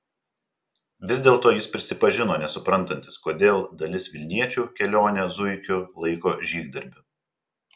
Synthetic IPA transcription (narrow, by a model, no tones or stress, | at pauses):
ʋʲɪzd̪ʲeːlˠt̪oːjɪspʲɾʲɪsʲɪpɐʒʲɪnoːnʲɛsʊpɾɐnˑt̪ɐnʲt̪ʲɪ̥skoːd̪ʲeːlˠd̪ɐlʲɪsʋʲɪlʲnʲiɛt͡ʃʲuːkʲɛlʲoːnʲɛzʊɪkʲʊlˠɐɪkoːʒʲiːɡ̚d̪ɐɾʲbʲʊ